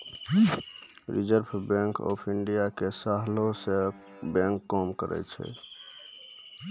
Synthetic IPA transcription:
ɾid͡ʒəɾbʰʱbɛ̃ŋkɔ̰pʰiɳɖijakesaɦlose | bɛ̃ŋkːɔmkəɾʔɛ̰t͡ʃʰɛ̰

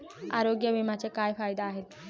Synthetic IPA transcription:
a̰ɾoɡjəʋimat͡sekajfajd̪aːɦet̪̚

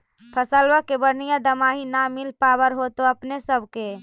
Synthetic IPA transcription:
pʰəsəlʋəkebəɽ̤nijad̪əmaɦinamilpaːbəɾɦot̪oəpnesəbʱke

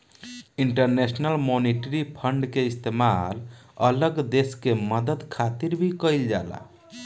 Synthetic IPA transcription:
iɳʈəɾnesnəlmoniʈɾipʰəɳɖkeist̪emalələɡd̪eskeməd̪əd̪kʰat̪iɾbʱikəild͡ʒa̰la̰

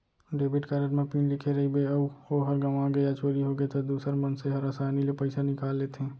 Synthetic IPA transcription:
ɖeːbiʈkaɾəʈmẽpinlɪkʰeɾəɦibeəboɦəɾɡəʋãɡəjat͡ʃoːɾiɦoɡet̪ɔd̪uːsəɾmənseɦəɾasaːnilepəɪsanɪkaːlːet̪ɦẽː

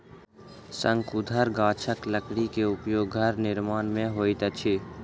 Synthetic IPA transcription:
sə̃ŋkʊd̪ʱəɾɡaːt͡ʃʰəkləkɽikeʊpjoːɡɡʱəɾnɪɾmaːnmẽɦoːit̪ət͡ʃʰeː

